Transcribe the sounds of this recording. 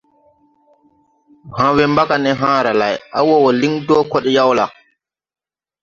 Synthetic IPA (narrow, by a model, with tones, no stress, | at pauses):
ɦã˨wɛmba˦ka˨nɛɦãː˦ɾa˨la̰˨jʔa˦wɔ˦wɔ˨li˦ŋdɔː˦kɔ˦ɗɛ˦ja˦wla˨